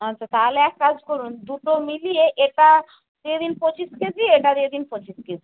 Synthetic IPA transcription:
ɦatːʰat̪aɦoleɛkːad͡ʑkoɾund̪uʈomilieʔeʈa | d̪̥ied̪inpot͡ɕisked͡ʒieʈad̪ied̪inpot͡ɕisked͡ʑi

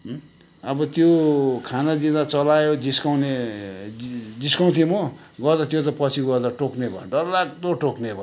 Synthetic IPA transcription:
ʌbʌt̪jokʰanad̪id̪at͡sʌlajod͡ziskawne | d͡ziskaw̃t̪ʰimʌ | ɡʌrd̪at̪jot̪̬ʌpʌt͡sʰiɡʌrd̪aʈoknebʌ̰ɖʌrlak̚t̪oʈoknebʌ

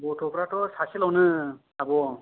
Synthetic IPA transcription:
bɔtʰɔpɾatɔsaselawnɯ | abɔ

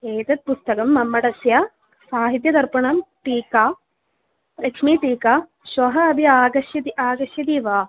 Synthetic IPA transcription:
eːt̪ɐt̪̚pust̪ɐkɐmːɐmːɐʈɐsjaː | saːɦit̪̬jɐd̪ɐɾpɐɳɐmʈiːkaː | pɾɐkʂmiːʈiːkaː | ʃʋɐɦɐːbʱiaːɡɐʃjɐt̪iaːɡɐʃjɐt̪iːʋaː

